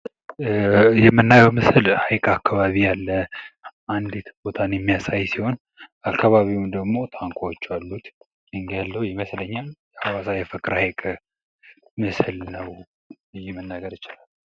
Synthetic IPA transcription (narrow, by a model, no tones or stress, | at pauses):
jɛmːɨnːajɛwmɨsɨlhajkʼakʰːaβaβijalːə | and̪et̪ʰbo̞t̪ʰanjɛmːijasajsiho̞n | akʰːaβaβiwumd̪əɡmo̞t̪ʰaŋkʷʰawot͡ʃːalːut̪ | ɨŋɡjalːəjɪməsləɲːaljɛawasajɛfəkʼːɨɾhajkʼə | mɨslnəw | ɨjːɛmənːaɡəɾɨt͡ʃɪlalː